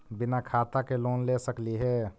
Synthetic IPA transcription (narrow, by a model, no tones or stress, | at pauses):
bɪnakʰaːt̪akeloːnlesəkliɦɛː